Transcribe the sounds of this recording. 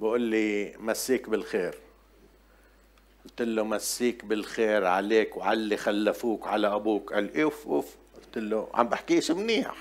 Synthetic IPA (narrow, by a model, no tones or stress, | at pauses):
bʔuːlːimasːiːkbɪlxeːɾ | ʔʊlt̪ɪlːomasːiːkbɪlxeːɾʕa̰leːkwʕalːixalːafuːkʕalaʔabuːkʔalʔefʔuːfʔʊlt̪ɪlːoʕa̰mbaħkiːʔʃimniːa̰